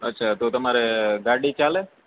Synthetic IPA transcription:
ətːʃʰat̪ot̪əmaɾeɡaɽit͡ʃale

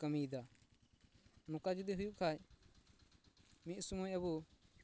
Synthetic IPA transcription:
kɐmiːd̪a | mʊkad͡ʒud̪iɦʊjukʰaːj | mĩsmuːjɐbu

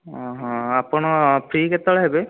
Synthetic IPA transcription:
ɦɔ̃apɔɽ̃ɔpʰɾiket̪ɔɭɦebe

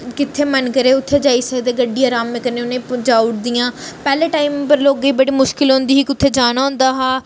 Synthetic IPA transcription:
kɪt̪ʰːeːmənkəɾeːʊt̪ʰːeːd͡ʒaːiːsəkd̪eːɡəɖːiːaːɾaːmːẽkəneːʊnẽːd͡ʒaːʊʈd̪ijãːpɛːleːʈaːiːmpəɾloːɡiːbəɽiːmʊʃkɪlɦʊ̃nd̪iːɦiːkɪʊt̪ʰːeːd͡ʒaːnaːɦʊ̃nd̪aːɦaː

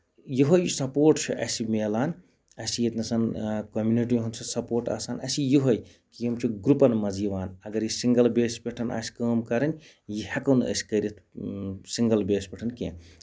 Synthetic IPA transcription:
jiɦojsɐpoːɾʈt͡ʃʰiʔɐ̰simeːlaːn | ɐsijet̪nɐsɐnkomjuniʈ̬iɦunt͡ʃʰɐsɐpoːɾʈa̰ːsaːnɐsijuɦoj | kijimt͡ʃʰiɡɾupɐnmɐziʋaːnɐɡɐɾjisiŋɡɐlbeːspʲeʈʰɐnʔa̰ːsi̥kəːmkɐɾɐnʲ | jihɐkɐwnɐ̰si̥kɐɾit̪ʰsiŋɡɐlbeːspʲeʈʰɐnkḛ̃n

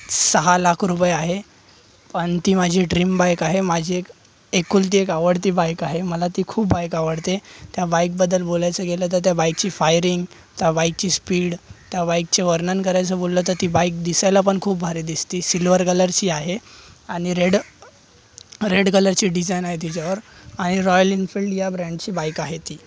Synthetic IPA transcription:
səɦalakʰɾupəjeaɦe | pəɳt̪iːmad͡ʑʱiɖɾimbajkaɦemad͡ʑʱiːek | ekuːlt̪̬iːekaʋəɽt̪iːbajkaɦeməlat̪iːkʰuːpbajkaʋəɽt̪et̪jabajk̚bəd̪ːəlbolajt͡səɡelət̪̬əɾt̪jabajk̚t͡ɕiːfajɾiŋɡ | t̪jabajk̚t͡ɕiːspiːɽt̪jabajk̚t͡ɕeʋəɾnənkəɾajt͡səbollət̪əɾt̪iːbajk̚d̪isajlapəɳkʰuːp̚bʱaɾiːd̪ist̪iːsilʋəɾkələɾt͡ɕiːaɦeaɽ̃iɾeɽ | ɾeɽkələɾt͡ɕiːɖid͡zajnaɦet̪it͡ɕaʋəɾaɽ̃iɾɔjəlinfilʈjabɾɛ̃ɳɖt͡ɕiːbajkaɦet̪iː

